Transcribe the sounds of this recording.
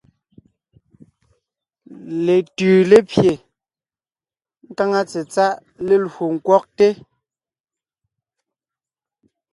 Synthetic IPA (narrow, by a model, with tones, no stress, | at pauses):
le˨tʉː˨le˦pje˨ | ŋ̩˦ka˦ŋa˦t͡se˨t͡sa˦ʔ | le˦lho˨ŋ̩˨kwɔ˦k̚te˦